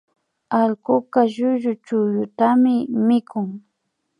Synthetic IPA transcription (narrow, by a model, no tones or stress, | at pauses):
alkʊkaʒʊʒʊt͡ʃʊjʊt̪amɪmɪkʰʊŋ